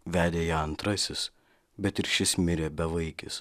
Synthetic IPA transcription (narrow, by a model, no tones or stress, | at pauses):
ʋʲæːd̪ʲeːjɛɐnt̪ɾɐsʲɪs | bʲɛt̪ɪɾʃʲɪsmʲɪɾʲeːbʲɛʋɐɪkʲɪ̰s